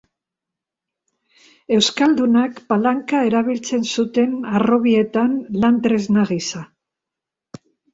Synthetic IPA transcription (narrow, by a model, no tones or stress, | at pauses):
e̞wskald̪unakpalaŋkae̞ɾaβ̞ilt͡se̞nsut̪e̞naro̞βie̞t̪anland̪ɾe̞znaɣisa